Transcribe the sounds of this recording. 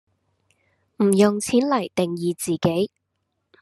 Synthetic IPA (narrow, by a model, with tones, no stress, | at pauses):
m̩˨˩jʊ˨ŋt͡sʰiː˨˥nlɐ˨˩jt̪ɪ˨ŋjiː˨t͡siː˨ke˨˥j